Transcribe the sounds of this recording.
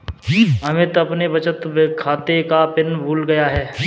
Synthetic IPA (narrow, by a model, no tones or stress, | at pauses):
ɐmɪt̪ɐpnebɐt͡ʃət̪bkʰaːt̪ekapɪnbʱuːlɡɐjaɦɛː